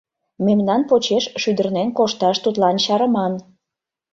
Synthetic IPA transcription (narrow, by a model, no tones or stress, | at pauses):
memnɑnpot͡ɕeʃʃyd̪ərnenkoʃt̪ɑʃt̪ut̪lɑnɕɑɾə̆mɑn